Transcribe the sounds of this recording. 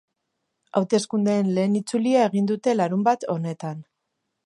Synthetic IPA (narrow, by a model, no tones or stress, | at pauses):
a̰wt̪e̞skund̪eːnle̞ːnit͡suliae̞ɣ̞ind̪ut̪e̞laɾumbat̪o̞ne̞t̪an